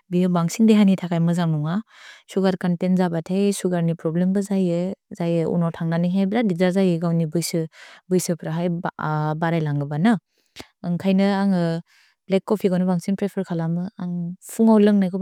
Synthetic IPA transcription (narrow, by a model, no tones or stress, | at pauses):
bijɯbaŋsiŋdeɦanitʰakʰajmɯzaŋnɔŋasuɡaɾkantenzabatʰejsuɡaɾnipɾɔblembɯzajɯzajɯṵnɔtʰaŋnaniɦejbɾadizazajɯɡawnibɯjsɯbɯjsɯpʰɾaɦajbaɾajlaŋɡɯbana | ɯŋkʰajnɯaŋɯ | b̥lek̚kːɔpʰiɡanɯbaŋsiŋpɾepʰəɾkʰalamɯaŋpʰuŋawlɯŋnajkʰɔ